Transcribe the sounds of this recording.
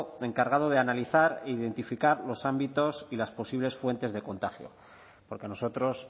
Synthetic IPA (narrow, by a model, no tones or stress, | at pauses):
e̞ŋkaɾɣ̞aðo̞ð̞e̞analiθaɾeiðe̞nt̪ifikaɾlo̞sambit̪o̞silaspo̞siβle̞sfwe̞nt̪e̞zðe̞ko̞nt̪axjo̞̰ | po̞ɾkeano̞so̞t̪ɾo̞s